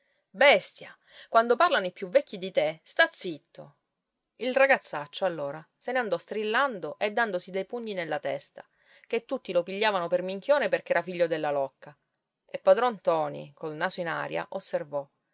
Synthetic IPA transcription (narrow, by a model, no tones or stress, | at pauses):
bɛst̪ja̰ | kwand̪oparlanoipjuvːɛkːid̪it̪est̪at̪sːit̪ːo | ilraɡat̪sːat͡ʃːoalːoːɾa | seneand̪ɔst̪ɾilːand̪oʔed̪ːand̪osid̪ejpuɲːinelːat̪ɛ̰st̪a | ket̪ːut̪ːilopiʎːaːvanopermiŋk̟joːneperk̟ɛːɾafiʎːod̪elːalɔkːa | epːad̪ɾɔnt̪ɔːnḭkolnaːsoina̰ɾja̰ʔosːervɔ